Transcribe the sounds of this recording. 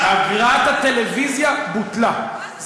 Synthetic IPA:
aɡʁat̪at̪e̞levizjabut̪la

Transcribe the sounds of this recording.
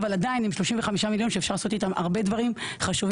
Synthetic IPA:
valadainimʃlo̞ʃimve̞χamiʃamiljo̞nʃeefʃaʁlaso̞t̪it̪amʔa̰ʁbe̞dvaʁimχaʃuv

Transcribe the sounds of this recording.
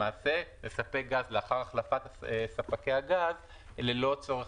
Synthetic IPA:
aːsele̞sapek̚ɡazleaχaʁaχlafat̪asafakejaɡaz | lelo̞t͡so̞ʁe

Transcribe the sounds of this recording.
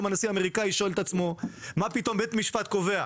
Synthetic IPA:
manasiame̞ʁikajiʃoelt̪at͡smo̞mapit̪o̞mbet̪miʃfat̪ko̞ve̞a

